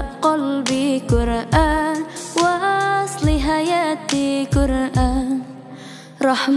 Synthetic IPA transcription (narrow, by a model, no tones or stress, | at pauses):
qɑlbikʊɾʔaːnwaʔsˤlɪɦajat̪ikʊɾʔan | ɾˤɑħm